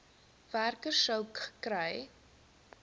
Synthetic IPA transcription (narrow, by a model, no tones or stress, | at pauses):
værkərsəwkχə̥kɾɛj